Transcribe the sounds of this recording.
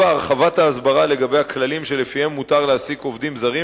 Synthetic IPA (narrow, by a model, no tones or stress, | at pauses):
aaʁχavat̪aːzbaʁale̞ɡabejhaklalimʃe̞lefihemːutaʁleasiko̞vd̪imzaʁi